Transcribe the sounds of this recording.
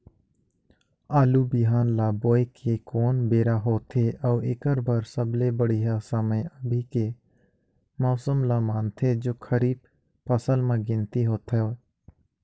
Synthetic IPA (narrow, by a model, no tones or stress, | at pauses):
aːlubɪɦaːnlaːboːekʰekoːnbeːɾaɦoːt̪ʰeʔɔːɪkəɾbəɾsəblebəɽijɦasəməjəbʱike | mɔːsəmlamaːnt̪ʰed͡ʒoːkʰəɾiːb̚ | pəsəlmẽɡɪ̃nt̪iɦoːt̪ʰoː